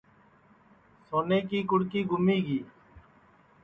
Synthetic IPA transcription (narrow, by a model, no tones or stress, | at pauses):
soːneːkiːkʊɽkiːɡʊmiːɡiː